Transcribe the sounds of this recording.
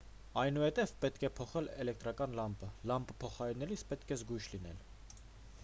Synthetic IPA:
ɑjnuhɛt̪ɛvpɛt̪kʰɛpʰɔχɛlɛlɛkt̪ɾɑkɑnlɑmpəlɑmpə̥pʰɔχɑɾɛnɛlisʰpɛt̪kʰɛzɡujʃlinɛ̰l

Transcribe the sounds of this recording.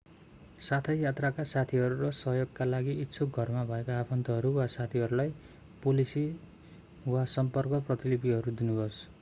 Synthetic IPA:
sat̪ʰʌjjat̪rakasat̪ʰiɦʌɾuɾʌsʌɦjoɡkalaɡiʔitːsʰoɡʱʌrmabʱʌekaːpʰʌnt̪ʌɦʌɾuwasat̪ʰiɦʌɾulaj | polisi | wasʌmpʌrkʌprʌt̪ilipiɦʌɾud̪inuɦos

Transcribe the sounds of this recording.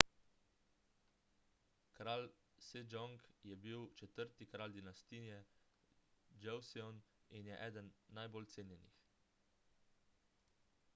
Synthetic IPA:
kɾaːl | sed͡ʒɔŋkjɛbiwt͡ʃɛt̪əɾt̪ikɾaːld̪inast̪iːjɛ | d͡ʒɛwsiɔninjɛʔɛːd̪ənːajboːlt̪seːnjɛnḭx

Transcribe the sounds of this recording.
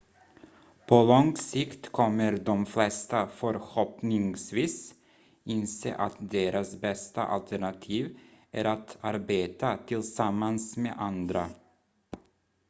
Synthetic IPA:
pʰɔlɔŋsɪkt̪kʰɔmːəɾd̪ɔmflɛst̪afœɾhɔpnɪŋsviːs | ɪnsḛːʔat̪d̪eːɾasbɛst̪a̰ʔa̰lt̪ʰæɳat̪ʰiːvæɾat̪aɾbeːt̪at̪ʰɪlsamːansmḛːʔand̪ɾa

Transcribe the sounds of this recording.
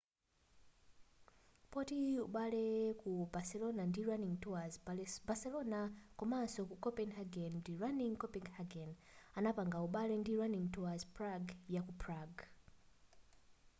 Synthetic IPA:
pɔtiuɓalɛkubasɛlɔnandiɹaniŋtuazbasɛlɔnakɔmasɔkukɔpɛnhaɡɛndiɹaniŋkɔpiŋhaɡɛnanapaŋɡauɓalɛndiɹaniŋtuazpɹaɡjakupʰɹaɡ

